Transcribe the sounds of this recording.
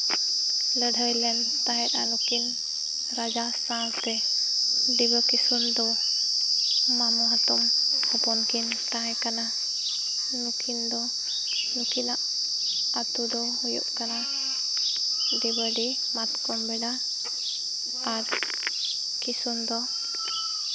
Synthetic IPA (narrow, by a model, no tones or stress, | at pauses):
ləɖʱəjlɛn | t̪aɦɛt̪̚a̰nukin | ɾad͡ʒasãst̪ɛ | ɖibəkisund̪ɔ | mamuɦat̪ɔmhɔpɔnkin | ʈ̪ãɦɛ̃kana | nukʰind̪ɔ | nukinaʔ | at̪ud̪ɔhujṵʔkana | ɖibəɖi | mat̪kɔmbɛɖa | ɾ | kisund̪ɔ